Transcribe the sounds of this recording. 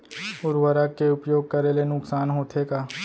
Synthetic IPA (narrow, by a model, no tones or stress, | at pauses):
ʊɾwəɾakːeʊpjoːɡ̚kəɾelenʊksaːnɦoːt̪ʰekaː